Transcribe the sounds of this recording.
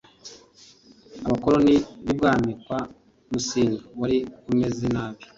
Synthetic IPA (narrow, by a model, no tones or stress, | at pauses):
aβakoɾo̞niβibɡaːmikwa | musiːŋɡaβaɾikume̞zenaːβjo